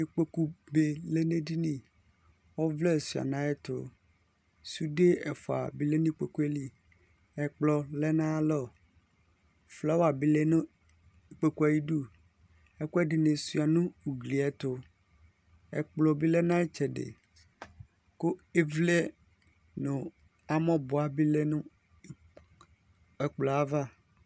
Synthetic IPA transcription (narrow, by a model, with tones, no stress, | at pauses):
e˦k͡pe˦ku˦be˨le˦nẽ˦di˦nĩ˦˨ | wɔ˦vlɛ˦˨su˨a̰˨nã˨˦ɛ˦t̪ʊ̰˨ | su˦de˦ɛ˨fɔ˨a̰˨bi˦le˦nĩ˦k͡pe˨ku˦e˦li˦ | ɛ˨k͡plɔ˨lɛ˦nã˦lɔ˦˨ | flɔ˦wa˨bi˨˦le˦n˦˨ | k͡pe˨ku˦a˨ji˦ɖu˦ | ɛ˦ku˦ɛ˦ɖɪ˨nẽ˨su˦a˨nũ˦u˨ɡli˨ɛ˦t̪ʊ˦ | ɛ̰˨k͡plɔ˨bi˦le˦nã˦ɛ˦t͡ʃɛ˨ɖḛ˨ | ko˦e˦vle˦ | nʊ̃˨ | a˨mɔ̃˦bʊ˨a˨bi˦le˦nũ˦˨ | ɛ˨k͡plɔ˨a˨va˦